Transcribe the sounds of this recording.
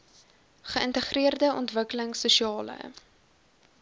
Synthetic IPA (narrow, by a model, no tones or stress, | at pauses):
χəəntəχriərdəɔntvəkələŋsuʃiɑːlə̰